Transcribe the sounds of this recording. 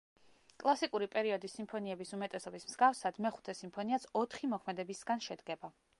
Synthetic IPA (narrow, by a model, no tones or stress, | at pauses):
kʼlˠasikʼuɾipʼɛɾiɔd̪isimpʰɔniɛbisumɛt̪ʼɛsɔbismz̥ɡafsad̪mɛχu̥t̪ʰɛsimpʰɔniat̪sʰɔt̪ʰχimɔkʰmɛd̪ɛbisɡanʃɛd̪ɡɛba